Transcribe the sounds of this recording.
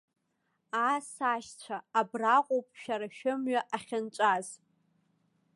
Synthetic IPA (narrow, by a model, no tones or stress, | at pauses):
asaʃt͡ɕʷʰaːbraqʷʼowpʼʃᶣaɾaʃᶣɪmɥaʔaχʲɪnt͡ʃʷʼaz